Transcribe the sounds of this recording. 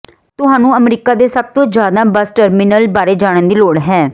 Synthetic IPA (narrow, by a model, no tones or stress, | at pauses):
t̪ʊɦãːnũːəmɾiːkaːd̪eːsəb̚t̪õːd͡ʒjaːd̪ãːbəsʈəɾmɪnəlbaːɾeːd͡ʒaːɽ̃ə̃nd̪iːloːɽɦɛː